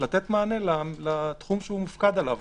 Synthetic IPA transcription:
lat̪et̪maːnelalat̪χumʃeumufkad̪alav

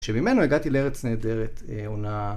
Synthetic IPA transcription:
ʃemime̞noeɡat̪ileeʁet͡sneːd̪eʁet̪ | eona

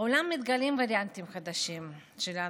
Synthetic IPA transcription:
ulamːit̪ɡalimvaɾjant̪imχad̪aʃimʃela

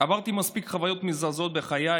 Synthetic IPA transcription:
avaʁt̪imaspikχavajo̞t̪mizazo̞t̪̚be̞χaja

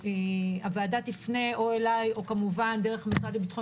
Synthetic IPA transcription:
eaveadatifne̞o̞elajo̞kamuvandeʁeχamisʁalibitχo

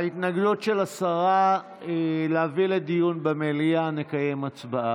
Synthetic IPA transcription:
it̪naɡdutʃe̞lasaʁa | eleaviledijunbemeliane̞kaje̞mat͡sbaʔa

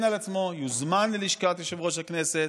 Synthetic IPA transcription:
nalat͡smo̞juzmanleliʃkat̪joʃevʁo̞ʃ̬haknese

